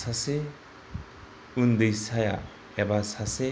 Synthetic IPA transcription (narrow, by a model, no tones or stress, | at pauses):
sase | und̪ejsaja | ebasase